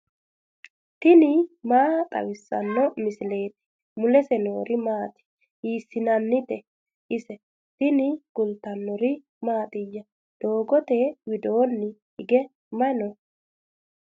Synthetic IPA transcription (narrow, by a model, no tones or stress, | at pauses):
t̪ɪnɪmaːt̪ʼɐ̰wɪsːɐ̰nːɔmɪsɪle̞ːt̪ɪ̥ | mʊlɛsɛno̞ːɾɪmaːt̪ɪ̥ | hiːsːɪnɐnːɪt̪ɛ | ʔɪsɛ | t̪ɪnɪɡ̥ʊlt̪ɐnːɔɾɪ | maːt̪ʼɪjːɐ | d̪̥o̞ːɡɔt̪ɛwɪd̪o̞ːnːɪhɪɡɛ | mɐnɔ